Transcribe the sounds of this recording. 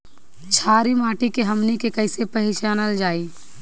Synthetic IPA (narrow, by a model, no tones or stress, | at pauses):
t͡ʃʰaːɾimaːʈikeɦɐmnikekɐɪsepɐɦɪʃaːnəld͡ʒaːiː